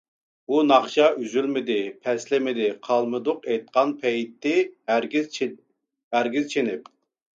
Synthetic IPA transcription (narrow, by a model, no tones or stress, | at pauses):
bunɑχʃɑʔyzylmɪd̪ɪpʰɛslɪmɪd̪ɪqʰɑlˠmɨd̪ʊqɛjt̪̚qɑnpʰɛjt̪ʰːɪ | æɾɡʲizt͡ʃʰenɪp̚